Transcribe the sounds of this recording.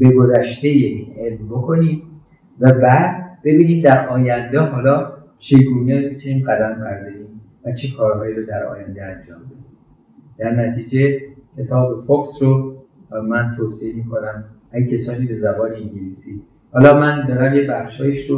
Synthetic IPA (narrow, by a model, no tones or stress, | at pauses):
be̞ɡozæʃt̪e̞jeiːnʔelmbo̞kʰoniːm | væbæːd̪b̥e̞biːniːmd̪æɾʔɒːjænd̪eɦɒːlɒː | t͡ʃʰeɡuːnemit̪ʰuniːmɢæd̪æmpʰæɾd̪ɒiːm | væt͡ʃʰekʰɒːɾɦɒːjiːɾod̪æɾɒ̰ːjænd̪eænd͡ʒɒːmbe̞d̪i | d̪̥æɾnæt̪ʰiːd͡ʒe̞cʰe̞t̪ʰɒːbefoksɾo | mænt̪ʰoːseemiːkʰo̞næmækcʰesɒːniːbe̞zæbɒːneiŋɟiliːsiː | hɒːlɒːmænd̪ɒːɾæmjebæχʃhɒːjiʃɾo